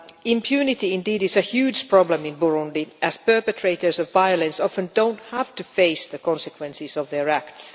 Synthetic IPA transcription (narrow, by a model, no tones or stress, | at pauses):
ɪ̃mpʰjʉːnɪtiɪ̃ndiːdɪsəhjʉːd͡ʒpʰɹ̥ɑblə̃mɪ̃nbʊɹʊ̃ndiʔæz̥pɜ˞pɨtʰɹ̥eɪtə˞sɔvːaɪələ̃nsɔfə̃ndõʊ̃nthæftɨfeɪsðəkʰɔ̃nsəkʰwɛ̃nsɪsɔvðəɹækts